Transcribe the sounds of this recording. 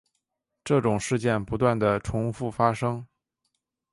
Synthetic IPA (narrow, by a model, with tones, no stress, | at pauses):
ʈ͡ʂɤ˥˩ʈ͡ʂʊ˨˩ŋʂɻ̩˥˧t͡ɕjɛ˥˩npu˧˥t̪wa˥˩nd̪ə˩ʈ͡ʂʰʊ˧˥ŋfu˥˩fa˥ʂɤ˥ŋ